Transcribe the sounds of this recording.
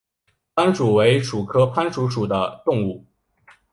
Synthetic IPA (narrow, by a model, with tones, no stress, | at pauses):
pʰa˥nʂu˨˩we˧˥ɪʂu˨˩kʰɤ˥pʰa˥nʂu˧˥ʂu˨˩d̪ə˦t̪ʊ˥˧ŋu˥˩